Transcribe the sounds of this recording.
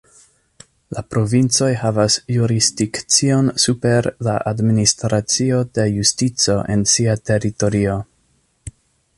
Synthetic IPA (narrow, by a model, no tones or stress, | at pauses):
lapɾo̞vint͡so̞jhavasjuɾisdikt͡sio̞nsupe̞ɾlaʔadministɾat͡sio̞de̞justit͡so̞ʔe̞̰nsiate̞ɾito̞ɾio̞